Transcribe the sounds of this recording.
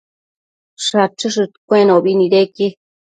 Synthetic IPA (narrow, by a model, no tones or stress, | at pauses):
ʂat͡ʃɨʂɨt̪kʷẽnõbinĩdeki